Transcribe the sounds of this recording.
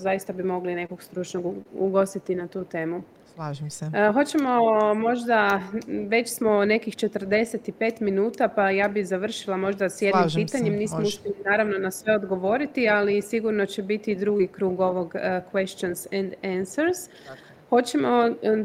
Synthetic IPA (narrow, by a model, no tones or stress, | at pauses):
zajist̪abimo̞ɡline̞ko̞ɡst̪ɾut͡ʃnoɡuṵɡo̞st̪it̪inat̪uːt̪e̞ːmu | slʒɦo̞t͡ɕe̞mo̞mo̞ʒd̪aʋe̞t͡ɕsmo̞ne̞kixt͡ʃe̞t̪r̩d̪e̞se̞t̪ipe̞ːt̪minuːt̪apajaːbizaʋr̩ʃilˠamo̞ʒd̪asje̞d̪nimmpiːt̪aɲemniːsmouʃpʲjelinaːɾaʋno̞nasʋe̞o̞d̪ɡo̞ʋo̞ɾit̪ialisiɡuɾno̞t͡ɕebit̪iːd̪ɾuɡikɾuːɡo̞ʋo̞ɡkʋe̞ʃt͡ʃonsɛnd̪ansəɾs | ho̞t͡ɕemo̞